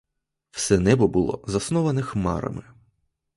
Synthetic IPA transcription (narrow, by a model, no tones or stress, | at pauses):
w̥sɛnɛbɔbʊlˠɔ̰zɐsnɔʋɐnɪxmɑ̰ɾɐ̰mɪ